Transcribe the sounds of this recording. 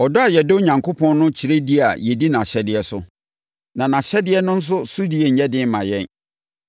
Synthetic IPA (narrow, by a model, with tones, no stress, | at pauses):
ɔ˨dɔ˦a˨jɛ˨do˦ɲã˨ŋkʰo˦pʰɔ̃˦n˦nʊ̃˦t͡ɕʰi˨ɾe˦di˦a̰˨jɛ˨di˦nã˨ɕɛ˦dɪ˨ɛ˦sʊ̰˦ | nã˨nã˨ɕɛ˦dɪ˦ɛ˦nʊ̃˦n̩˦s̬ʊ˦su˦di˦e˨ɲ̩˨˦ɛ˦dɪ̃˦m˦mã˨jɛ̃˦˨n